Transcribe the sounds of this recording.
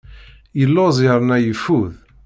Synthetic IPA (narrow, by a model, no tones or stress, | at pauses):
jəlːozˤəɾˤnæjəfuð